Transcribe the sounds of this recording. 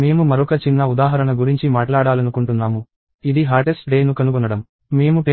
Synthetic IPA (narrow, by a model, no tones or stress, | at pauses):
me̞ːmumɐɾɔkɐt͡ʃinːɐud̪aːɦɐɾɐnɐɡuɾiɲt͡ʃimaːʈlaːɽaːlɐnukuɳʈunːaːmu | id̪iɦaːɾʈesʈɖeːnukɐnukɔnɐɽɐm | me̞ːmupeː